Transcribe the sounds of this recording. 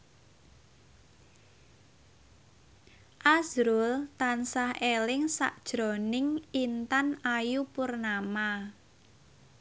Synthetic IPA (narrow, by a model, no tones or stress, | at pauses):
ʔazɾʊlt̪ansahelɪŋsa̰ʔd̥ʒ̥ɾɔ̤nɪŋint̪anajupʊrnama